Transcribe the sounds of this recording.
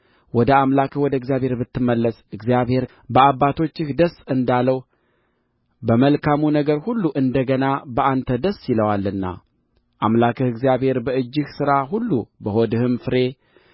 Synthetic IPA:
wɔd̪əamlakʰɨhwɔd̪əɨɡzijaβhe̞ɾbɨt̪ːɨmːəlːəsɨɡzijaβhe̞ɾ | bəaβːat̪ʰo̞t͡ʃːɪhd̪əsːɨnd̪aləw | bəməlkʰamunəɡəɾhulːuʔɨnd̪əɡənabəant̪ʰəd̪əsːjiləwalːɨnːa̰ | ʔamlakɨhɨɡzijaβhe̞ɾbəɨd͡ʒːɪhsɨɾaɦulːubəhod̪ɨhɨmfɨɾe̞

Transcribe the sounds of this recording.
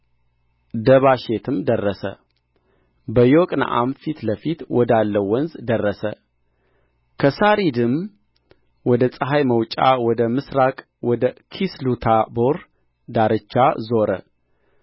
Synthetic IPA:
d̪əβaʃet̪ʰɨmd̪ərːəsə̰ | bəjokʼn̰ʔa̰mfit̪ləfit̪wɔd̪alːəwɔnzd̪ərːəsə̰ | kʰəsaɾid̪ɨm | wɔd̪əsʼəɦajməwt͡ʃʼa̰wɔd̪əmɨsɾakʼ | wɔd̪əkʰislut̪ʰaboɾ | d̪aɾɨt͡ʃːazo̞ɾə̰

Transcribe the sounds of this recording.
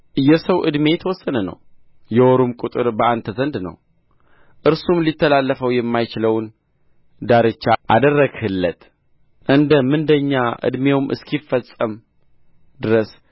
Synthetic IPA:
ʔɨjɛsəwʔɨd̪me̞jt̪ʰəwɔsːənənə̰w | jɛoɾumkʼut̪ʼɨɾbəant̪ʰəzənd̪nə̰w | ʔɨɾsumlit̪ːəlalːəfəwjɛmːajt͡ʃɪləwn | d̪aɾɨt͡ʃːaʔad̪ərːəɡhɨlːət̪ | ʔɨnd̪əmɨnd̪əɲːaʔɨ̰d̪me̞wmʔɨ̰skʰifːəsʼəm | d̪ɨɾəs

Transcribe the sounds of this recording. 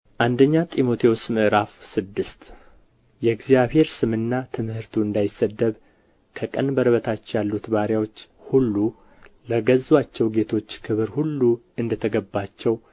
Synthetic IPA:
ʔand̪əɲːat̪ʼimo̞t̪ʰewosmɨʔɨɾafsɨd̪ːɨst̪ | jɛɡzijaβhe̞ɾsɨmɨnːat̪ʰɨmhɨɾt̪ʰuɨnd̪ajɪsːəd̪ːəβ | kʰəkʼənbəɾəβət̪ʰat͡ʃːjalːut̪baɾjawo̞t͡ʃː | hulːu | ləɡəzːwat͡ʃːɛwɡe̞t̪ʰo̞t͡ʃːkʰɨβɨɾhulːu | ɨnd̪ət̪ʰəɡəbːat͡ʃːɛw

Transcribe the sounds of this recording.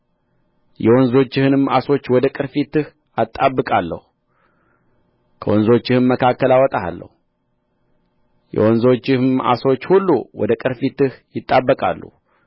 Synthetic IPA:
jɛwonzo̞t͡ʃːɪhɨnɨmaso̞t͡ʃːwɔd̪əkʼɨɾfit̪ɨh | at̪ʼːabːɨkʼalːə̰hu | kʰəwɔnzo̞t͡ʃːɪhɨnməkʰakːəlawɔt̪ʼaa̰lːə̰hu | jɛ̰wɔnzo̞t͡ʃːɪhɨma̰so̞t͡ʃːhulːuwɔ̰d̪əkʼɨɾfit̪ɨhjɪt̪ʼːabːəkʼa̰lːṵ

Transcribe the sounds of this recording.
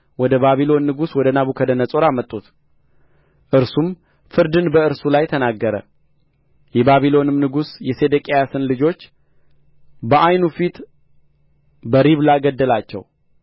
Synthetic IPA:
wɔd̪əbaβilo̞nːɨɡuswɔd̪ənaβukʰəd̪ənəsʼo̞ɾamət̪ʼːut̪ | ʔɨɾsum | fɨɾd̪ɨnbəɨɾsulajt̪ʰənaɡːəɾə̰ | jɛbaβilo̞nɨmnɨɡusjɛse̞d̪əkʼejasɨnlɨd͡ʒo̞t͡ʃː | bəʔajnufit̪ | bəɾiβlaɡəd̪ːəlat͡ʃːɛ̰w

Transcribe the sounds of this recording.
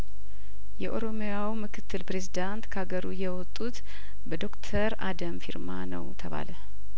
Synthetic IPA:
jɛʔo̞ɾo̞mjawmɨkʰɨt̪ʰːɨlpɾe̞zid̪ant̪kʰəaɡəɾujɛwɔt̪ʼːut̪ | bəd̪o̞kt̪ʰəɾad̪əmfiɾmanə̰wt̪ʰəβa̰lə

